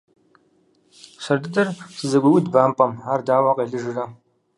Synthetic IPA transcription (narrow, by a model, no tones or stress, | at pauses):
sɐrdɨdɐrsɨzɐɡʷɐwʊdbaːmpʼɐmaːrdaːwaːqɐɮɨʒɨrɐ